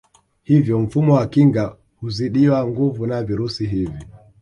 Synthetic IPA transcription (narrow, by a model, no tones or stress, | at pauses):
hivjɔm̩fumɔwakiŋɡa | huziɗiwaŋɡuvunaviɾusiɦivi